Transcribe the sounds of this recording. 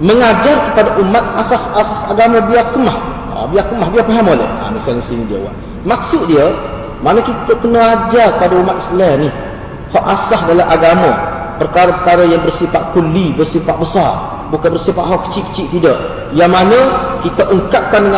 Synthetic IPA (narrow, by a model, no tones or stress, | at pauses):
məŋad͡ʒarkəpadaʔumat̪̚asasasasaɡamə̃biakəmah | a̰biakəmahbiapaɦamolɛha̰misalnisinĩdiə̰wa̰ʔ | mak̚sʊʔ̪̚diə | manəkiəʔkənəad͡ʒarkəpadaumat̪islanih | hɔʔasahdalaʔaɡamə | pərkaɾəpərkaɾəjaŋbərsifaʔkulibərsifaʔ̪̚bəsar | bukanbərsifaʔɦɔʔkə̥t͡ʃiʔkə̥t͡ʃiʔt̪idaʔ | jaŋmanəkit̪əʔəŋkap̚kandəŋa